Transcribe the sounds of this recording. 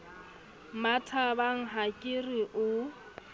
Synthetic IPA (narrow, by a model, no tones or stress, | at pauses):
matʰabaŋ̩ɦakʼɪriʔʊ